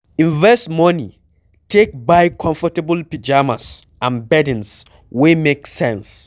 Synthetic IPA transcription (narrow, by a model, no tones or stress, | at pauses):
ĩɱvɛstmɔni | tʰek̚baɪkʰɔ̃ɱfɔtəbəlpid͡ʒamas | ʔãnbɛdĩns | wemeksɛ̃ns